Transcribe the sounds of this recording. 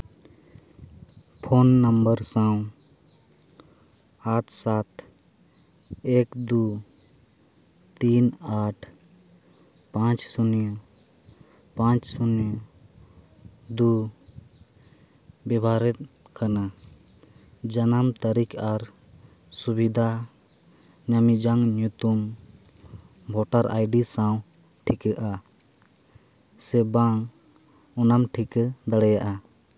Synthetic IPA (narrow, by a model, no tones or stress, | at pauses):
pʰoːnːəmbəɾsãw̃ | aːʈʰsaːt̪ʰ | eːkd̪u | t̪iːnaːʈʰ | pãːt͡ʃsunjo | pãːt͡ʃsʊnjo | d̪u | bɛbʱaɾɛt̪̚ˀ | kana | d͡ʒanamt̪aɾikaɾ | subid̪ʱa | ɲamid͡ʒaŋɲut̪um | bʱɔʈaɾʔa̰jɖisaw̃ | ʈʰikəʔa | sɛbaŋ | ɔnamʈʰikd̪aɽɛjaʔa